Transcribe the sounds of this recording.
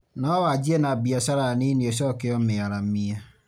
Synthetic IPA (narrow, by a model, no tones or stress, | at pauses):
nɔwad͡ʒienabiasaɾaninios̬ɔkɪɔɪaɾam̩mia